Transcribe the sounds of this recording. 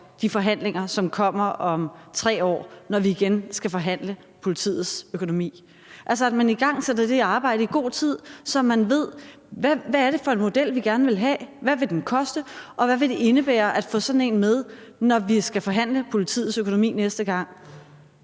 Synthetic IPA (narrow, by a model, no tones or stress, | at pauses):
d̥ifɒ̽ɦæn̰leŋɐsɒ̽mkʰɒ̽m̰ɐʔɒ̽mt͡sʰʁɛ̰ːɒ̰ːnɒʋiːɡ̥ensɡ̥æfɒ̽ɦæn̰lə | pʰo̝lit͡sʰḭːð̩ˠsøkʰo̝no̝mḭː | ʔæls̬ɒædmæniɡ̥ɑ̈ŋ̰sed̥ɐd̥e̝ɑ̈ːb̥ɑ̈ɪ̰ɾəiɡ̥o̝̰ːt͡sʰið̞̰ˠsɒ̽mːænʋe̝ð̞̰ˠ | ʋæʋæːɐɾe̝fɒ̽e̝nmo̝d̥el̰ʋiɡ̥æɐnəʋe̝lɦɛ̰ːʋæʋe̝d̥enkʰɒ̽sd̥əʔɒ̽ʋæʋe̝d̥e̝ʔe̝nəb̥ḛːɐʔæd̥fɔ̰̽ːsɒ̽d̥n̩e̝̰ːnmeð̞ˠnɒʋisɡ̥æfɒ̽ɦæn̰ləpʰo̝lit͡sʰḭːð̩ˠsøkʰo̝no̝mḭːnesd̥əɡ̥ɑ̈ŋ̰